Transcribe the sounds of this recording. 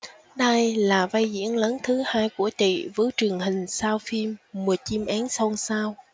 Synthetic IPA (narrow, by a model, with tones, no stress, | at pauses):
ɗə˧jlaː˨˩va˧jzḭ˧˥ənləː˨˦nt̪ʰɨ˨˦haː˧jku˧˩ət͡ɕḭ˧˨vɨ˨˦t͡ɕɨ˨˩əŋhï˨˩ŋ̟saː˧wfi˧mːu˨˩ət͡ɕi˧mʔaː˨˦nsə˧wŋ͡msaː˧w